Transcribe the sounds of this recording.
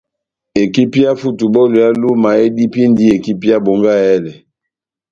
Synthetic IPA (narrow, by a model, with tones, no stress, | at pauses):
e˨ki˦pi˦a˦fu˦tu˨bɔ˦lo˨ja˦lu˦ma˨e˦di˦pi˦ndi˦e˨ki˦pi˦ja˦bo˨ŋɡa˦ɛ˦lɛ˨